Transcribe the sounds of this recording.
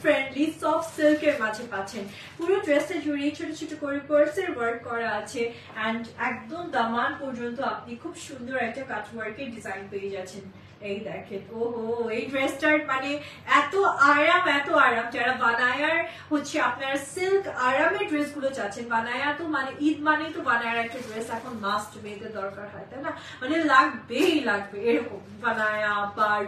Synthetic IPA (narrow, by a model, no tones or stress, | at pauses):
fɾeɳɖlisɔfʈsilkeɾmad͡ʑʱepaːt͡ɕʰen | puɾoɖɾeseɾd͡ʑoɾiet͡ɕʰoʈot͡ɕʰeʈukoɾikoɾseɾwɐɾkːɔɾaat͡ɕʰe | ɛɳɖɛk̚d̪omd̪amanpɔɾd͡ʑont̪̬oapnikʰubʃund̪ʱoɾɛk̚ʈakat͡ɕwaɾkeɾɖizajnpeed͡ʑatːt͡ɕʰen | ejd̪ɛkʰet̪oɦoejɖɾesʈaɾmane | ɛt̪oʔaːɾamɛt̪oaɾɐmd͡ʒɛɽaʋɐnaːjaɾ | ɦot͡ʃʰiɐpnaɾsɪlkaɾameɖɾesɡulot͡ʃaːt͡ʃʰinbɐnaːjat̪omaneʔid̪manet̪obɐnaːjəɾɛk̚ʈaɖɾesɛkʰonmaːsʈmek̪ed̪ɔːɾkaɾɦajt̪ana | mɐnelaɡbeilaɡbe | bɐnajabaɾ